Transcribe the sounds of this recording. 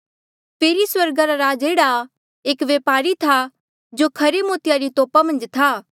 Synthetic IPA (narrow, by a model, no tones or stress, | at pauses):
pʰeːɾiswɐɾɡaɾaɾaːd͡ʒeːɽa | eːkʋeːpaːɾit̪ʰa | d͡ʒoːkʰɐɾemoːt̪ɪjaɾit̪oːpamɐ̃nd͡ʒt̪ʰaː